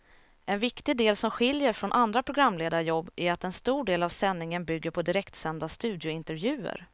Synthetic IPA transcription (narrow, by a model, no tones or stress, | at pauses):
ʔɛnvɪkt̪ɪd̪eːlsɔmɧɪljəɾfɾɔnʔand̪ɾapʰɾʊɡɾamːleːd̪aɾjɔbːʔæɾat̪ɛnst̪uːɖeːlavsɛnːɪŋənbʏɡːəɾpʰɔd̪ɪɾɛkt̪sɛnd̪ast̪ʉ̟ːd̪jʊɪnt̪ɛɾvjʉ̟ːə̰ɾ